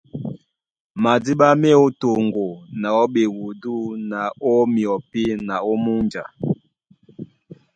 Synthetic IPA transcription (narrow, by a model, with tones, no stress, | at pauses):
ma˨di˦ɓa˦mɛ˦o˦to˨ŋɡo˨na˨ɔ˦ɓe˨wu˨du˦na˨ɔ˦mi˨ɔ˨pi˦na˨o˦mu˦nd͡ʒa˨